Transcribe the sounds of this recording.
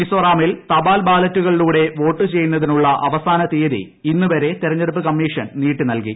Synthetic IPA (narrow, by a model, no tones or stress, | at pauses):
isoːraːmilt̪ɐbaːlbaːlɐtːuɣɐɭiluːɽe̞ʋo̞ːʈːɨt͡ɕe̞jːunːɐðinuɭːɐʔɐʋɐsaːnɐt̪eːðḭ | inːuʋɐɾe̞t̪iɾɐɲːɐɽup̬ːɨkɐmːiːʂɐnniːʈːɨnɐlkḭ